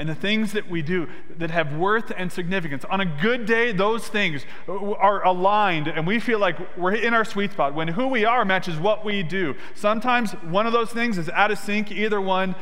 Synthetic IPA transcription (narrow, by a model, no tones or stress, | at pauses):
ɨ̃nðɨθɪ̃ŋzðɨʔwidɨ | ðɨt̚ɦɨvwɜ˞θɨ̃nsɨɡ̚nɪfɨkɨ̃nsn̩ɨɡʊdeɪðoʊz̥θɪ̃ŋz | ə˞ʔəlãɪ̃ndɨ̃nwifilaɪk | wɪɹɨ̃ñaʊə˞switspɑt̚wə̃nɦuwiə˞mæt͡ʃɨzwʌʔ̚widɨ | sʌ̃mtʰãɪ̃mz | wʌ̃nʌvðoʊz̥θɪ̃ŋzɨzaʊɾɨsɪ̃ŋkiðə˞wʌ̃n